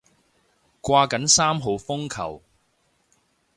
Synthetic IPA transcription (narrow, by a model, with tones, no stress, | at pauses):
kʷwaː˧kɐ˨˥nsaː˥mɦo˨˧wfʊ˥ŋkʰɐ̰˨˩w